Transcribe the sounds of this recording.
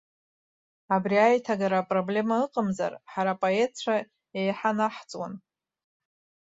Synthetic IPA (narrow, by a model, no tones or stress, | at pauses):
abriajtʰaɡaɾapʼro̞ble̞maɨqʼəmza̰rħaɾapʼo̞e̞t̚t͡ʃʷʰa | ejħanaħt͡sʼwa̰n